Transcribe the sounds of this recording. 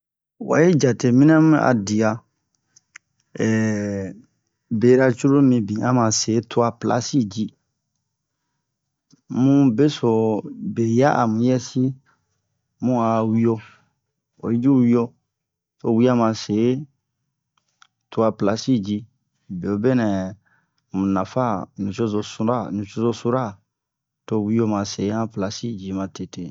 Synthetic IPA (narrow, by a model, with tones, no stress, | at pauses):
wa̰˨ji˦d͡ʒa˨te˨mĩ˦n˦a˦m˦a̰˨di˨a˨ | ɛ˨ | be˨˦ɾa˧t͡ʃu˦ɾo˦mĩ˧bĩ˨a˦mã˨se˨˦tʰo˦a˧pla̰˦si˦˨d͡ʒi˦ | mũ˦be˦so˨be˨ja˦ʔa˨mũ˨˦jɛ˦si˦ | mũ˦a˨wi˦o˧ | o̰˨i˦d͡ʒu˦wi˦o˧ | to˧˨wi˦a˦mã˨se˨˦ | to˧a˧pla˦si˦˨d͡ʒi˧ | be˨o˨be˦nɛ̃˨ | mũ˨nã˨fa˦nũ˨t͡ʃo˦zo˨su˧˦ɾa˦˨nũ˨t͡ʃo˦zo˧˦su˧˦ɾa˦˨ | to˧wi˦o˧mã˨se˨˦ã˦pla˨si˦˨d͡ʒi˨˦mã˧te˨te˨